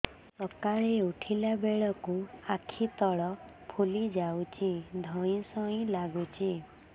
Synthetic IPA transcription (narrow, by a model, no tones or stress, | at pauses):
sɔkaɭeuʈʰilabeɭɔkuakʰit̪ɔɭɔ | pʰulid͡ʒawt͡ʃʰid̪ʱɔj̃sɔĩlaɡut͡ʃʰi